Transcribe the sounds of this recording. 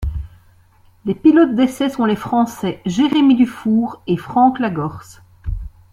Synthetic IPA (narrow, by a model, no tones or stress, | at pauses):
lepilɔt̪̚d̪esɛsɔ̃lefχɑ̃sɛʒeʁemid̪yfuːʁefχɑ̃klaɡɔʁs